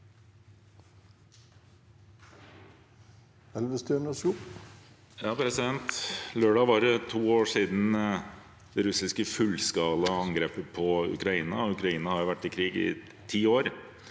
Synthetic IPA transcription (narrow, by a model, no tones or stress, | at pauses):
ɛlʋəst̪øːɳɔsuː | jɑːpʰɾɛsɪd̪ɛnt̪løːɖɑːʋɑɾt̪ʰuːoːʂiːd̪n̩ | d̪ɛɾʉsɪskəfʉlskɑːləɑŋɡɾeːpəpʰɔʉ̰kɾɑiːnɑ̰ɔʉkɾɑiːnɑhɑɾjʊʋæʈːɪkʰɾiːɡɪ̰ | t̪ʰiːoːɾ